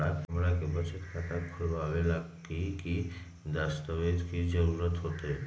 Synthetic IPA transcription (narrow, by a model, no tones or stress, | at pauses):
at̪mɾakebʱət͡ʃət̪kʰat̪akɡʰʱɔɾbabelakiki | d̪ast̪ɔbed̪kid͡ʒəɾuɾət̪ɦot̪e